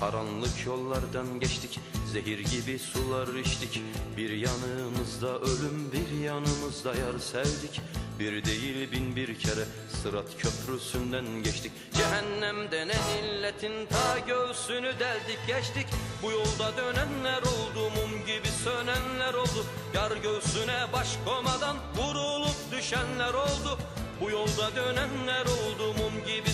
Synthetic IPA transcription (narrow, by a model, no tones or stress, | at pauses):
hɑɾɑnlˠɯkʰjo̞lˠːɑɾd̪ɑnɟɛʃt̪ʰiczeɦiɾɟibisulˠɑɾiʃt̪ʰicbiɾjɑnɯmɯzd̪ɑʔølymbiɾjɑnɯmɯzd̪ɑjɑɾsæld̪icbiɾd̪ejilʲbinbiɾcʰɛɾɛ | sɯɾat̪cʰøpʰɾysynd̪ænɟɛʃt̪ʰicʲ | d͡ʒɛɦænːæmd̪ɛnɛnilːet̪ʰint̪ʰɑːɟølsynyd̪ælʲd̪icɟɛʃt̪icbujo̞lˠd̪ad̪ø̞nænlæɾo̞lˠd̪uːmumɟibisønænlæɾo̞lˠd̪u | jaɾɟølsynɛbaʃkʰomad̪anɡuɾulˠup̚d̪yʃænlæɾo̞lˠd̪u | bujo̞lˠd̪ad̪ønænlæɾo̞lˠd̪uːmumɟibi